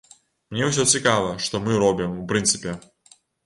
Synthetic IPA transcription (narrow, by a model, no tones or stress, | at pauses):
mnʲɛws̬ʲɔt͡sʲikavˠɐʂt̪ɔmɨɾɔbʲimupɾɨnt̪sɨpʲɛ